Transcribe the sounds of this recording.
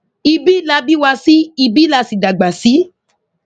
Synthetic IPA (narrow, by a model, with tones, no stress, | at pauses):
i˧bi˦la˧˦bi˦wa˧si˦i˧bi˦la˧si˨da˨ɡ͡ba˨si˨˦